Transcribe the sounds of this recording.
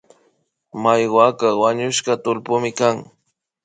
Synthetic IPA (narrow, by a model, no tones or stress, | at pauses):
majɢwakawaɲʊʃkɑt̪ʊlpʊmɪkaŋ